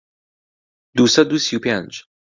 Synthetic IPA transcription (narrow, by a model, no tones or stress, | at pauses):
d̪usɐd̪usiupʲand͡ʒ